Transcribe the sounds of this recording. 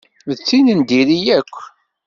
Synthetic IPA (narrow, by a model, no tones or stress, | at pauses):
ət͡sːinənd̪iɾijækʷː